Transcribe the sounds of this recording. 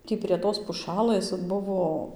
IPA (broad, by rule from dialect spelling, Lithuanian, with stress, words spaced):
ˈtʲiː pʲrʲiɛ ˈtoːs pʊˈʃɑːlˠɘs ˈbʊʋoː